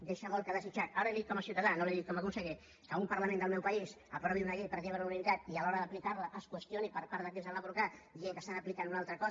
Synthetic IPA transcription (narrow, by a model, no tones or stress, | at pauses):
d̪eʃaβɔlˠkəðəsit͡ʃat̪̚aɾəeðit̪̚kɔməsjiut̪aðanoleðit̪kɔmakunsəɣi | kəumpəɾlamend̪əlˠmɛwpais | əpɾɔβiunəɣepəɾʎeβɾəuninit̪at̪ialɔɾəðəplikaɾləʔəskwəst̪jonipəɾpaɾðəkezəlapɾukad̪iɣeŋkəst̪anəplikanunalˠt̪ɾəkɔ